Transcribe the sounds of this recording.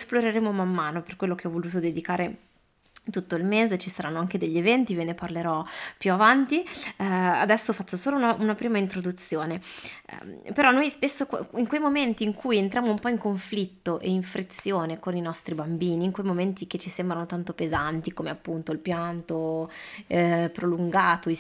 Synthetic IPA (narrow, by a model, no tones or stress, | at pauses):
sploɾeɾeːmomamːaːnoperkwelːokeɔvoluːt̪̬od̪ed̪ikaːɾe | t̪ut̪ːoilmeːzet͡ʃisaɾanːoaŋked̪eʎːevɛnt̪ivineparleɾɔpjuavant̪i | ad̪ɛsːofat͡ʃːosoːlounaʔunapɾiːmaint̪ɾod̪ut̪sːjoːnḛ | peɾɔnojspesːokiŋkwejmoment̪iːŋkujent̪ɾjaːmoumpɔiŋkoɱflit̪ːoʔeiɱfɾʔit̪sːjoːnekoninɔst̪ɾibambiːniːŋkwejmoment̪ik̟et͡ʃːisembɾanot̪ant̪opezant̪ikoːmeapːunt̪oilpjant̪o | pɾoluŋɡaːt̪oi